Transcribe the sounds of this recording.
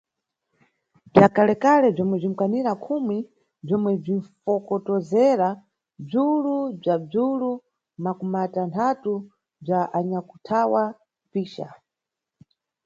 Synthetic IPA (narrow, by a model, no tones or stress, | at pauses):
b͡ʐakalɛkalɛb͡ʐɔmwɛb͡ʐim̩kwaniɾakʰumi | b͡ʐɔmwɛb͡ʐinfɔkɔtɔzɛɾa | b͡ʐulub͡ʐab͡ʐulu | makumatantʰatu | b͡ʐaʔaɲaku̥tʰawa | piːʃa̰